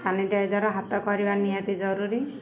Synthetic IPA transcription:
sʰaniʈaed͡ʒɔɾɔɦat̪ɔkɔɾibanijat̪id͡ʒɔɾuɾi

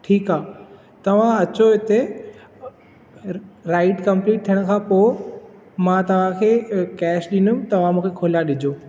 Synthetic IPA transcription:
ʈʰiːkaː | t̪ɐʋ̤ãɐt͡ɕoɦɪt̪e | ɾaːɪʈkɐ̃mpliːʈ̚t̪ʰijəɽ̃̆kʰãːpoː | mãt̪ɐʋ̤ãkʰeːkɛːʃɗinʊmt̪ɐʋ̤ãmũːkʰekʰoːlaɗɪd͡ʑʱoː

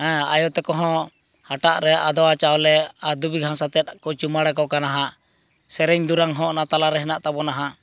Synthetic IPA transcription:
hɛ̃a̰jɔt̪ɛkɔɦɔ̃ | haʈaʔɾɛʔad̪ɔwat͡ʃawlɛaɾd̪ubiɡʱãsat̪ɛt̪̚kɔt͡ʃumaɽɛkɔkanaɦa | sɛɾɛɲd̪uɾaŋɦɔ̃ʔnat̪alaɾɛɦɛnaʔt̪abɔnaɦa

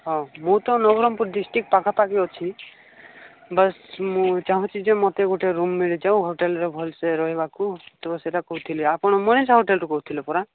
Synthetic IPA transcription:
ɦɔ̃mũt̪ɔ̃nɔɡɾɔmpuɾɖisʈik̚pakʰapakiɔt͡ʃʰi | bʌsmũt͡ʃaɦũt͡ʃʰid͡ʒemɔt̪eɡoʈeɾumːiɭid͡ʒaũɦoʈelɾebʱɔlseɾɔɦibakut̪ɔbɔseʈakɔɦut̪ʰiliapɔɽ̃ɔmɔnesaɦoʈelʈɔkɔɦut̪ʰilɔpɔɾa

